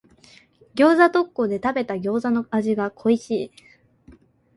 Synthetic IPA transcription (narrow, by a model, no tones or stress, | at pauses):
ɡʲo̞ːzat̪o̞kːo̞d̪e̞t̪abe̞t̪aɡʲo̞ːzano̞aʑiɡakʰo̞iɕiː